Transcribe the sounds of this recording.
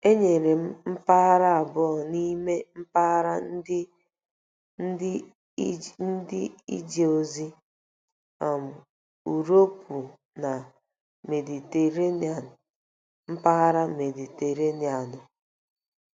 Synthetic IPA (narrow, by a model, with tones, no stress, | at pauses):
e˦ɲe˨ɾe˨m̩˦m̩˦pa˦a˦ɾa˦a˨bɔ˦˨ni˦me˦m̩˦pa˦ɣɾa˦n̩˦dɪ˦ | n̩˦dɪ˦ḭ˦d͡ʒe˨o˨zi˦ | a˨m̩˨ | u˨ɾo˦pʰu˨ | na˨ | me˨di˨te˨ɾe˦n˨a˨ | m̩˦pa˦ɣa˦ɾa˦me˨di˨te˨ɾe˦ni˨a˨nʊ˨